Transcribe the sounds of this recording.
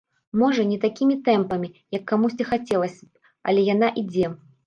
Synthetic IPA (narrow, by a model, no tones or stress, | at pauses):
mɔʐɐnʲɛt̪akʲimʲit̪ɛmpɐmʲijɐkːamusʲt͡sʲixat͡sʲɛlˠɐsʲɐ | ɐ̰lʲɛjan̪aʔid͡zʲɛ